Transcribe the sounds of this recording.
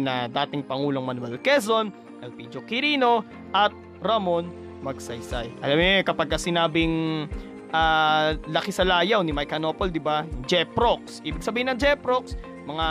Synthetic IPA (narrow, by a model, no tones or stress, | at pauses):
nɐd̪aːt̪ɪŋpɐŋuːlo̞ŋmɐnwɐlkɛzon | ʔɐlpid͡ʒokɪɾiːno̞ | ʔɐt̪̚ | ɾɐmon | mɐɡ̚sɐjsajʔɐlamokɐpaɡ̚kɐsɪnaːbɪŋ | ʔalɐkɪsɐlaːjawnɪmɐjkɐnopold̪ɪbad͡ʒɛpɾok̚sʔiːbɪɡ̚sɐbiːhɪnɐŋd͡ʒɛpɾoks | mɐŋa